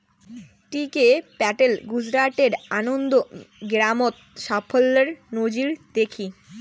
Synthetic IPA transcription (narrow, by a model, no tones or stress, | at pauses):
ʈikepɛʈelɡud͡ʑɾaʈeɾanond̪oɡɾamot̪̚ʃafʰolːeɾnod͡ʑiɾd̪̥ekʰi